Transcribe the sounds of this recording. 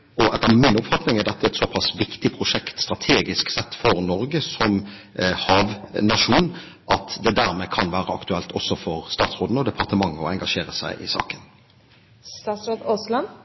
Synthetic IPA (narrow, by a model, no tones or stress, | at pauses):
ʔɔʔɛt̪ːəmɪnʊpfɑt̪nɪŋæd̪ɛt̪ːəɛt̪sɔpʰɑsʋɪkt̪ɪpʰɾʊʂɛkt̪st̪ʁɑt̪ʰeːɡɪsksɛt̪ːfɔɾnɔɾɡəsɔm | hɑːʋnɑʂuːn | ʔɑt̪d̪ɛd̪æɾmɛkʰɑnʋæːɾəɑkt̪ʉɛlt̪ʰɔsːɔfɔɾst̪ɑːt̪sɾoːd̪n̩ɔd̪ɛpʰɑʁt̪əmɑŋːəɔɛŋɡɑʂeːɾəsæ̰ɪʔɪ̰sɑ̰ːkən | st̪ɑːt̪sɾoːd̪oslɑn